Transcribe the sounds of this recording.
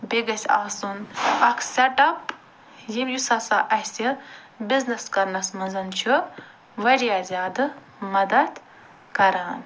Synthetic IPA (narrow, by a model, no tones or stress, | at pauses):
beɡɐsʲa̰ːsunɐkʰseʈɐp | jimʲjusaːsaʔɐhsʲi | biznɐskɐɾnɐsmɐnzɐnt͡ʃʰu | ʋɐɾijaːzʲjaːd̪ɨ | mɐd̪ɐd̪ | kɐɾaːn